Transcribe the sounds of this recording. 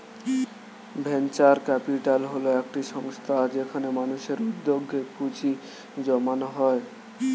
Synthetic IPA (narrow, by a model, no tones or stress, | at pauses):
bʱent͡ɕaɾkɛpiʈalɦoloek̚ʈiʃɔŋst̪ʰad͡ʑekʰanemanuʃeɾud̪ːoɡʱːeput͡ɕi | d͡ʑɔmanoɦɔe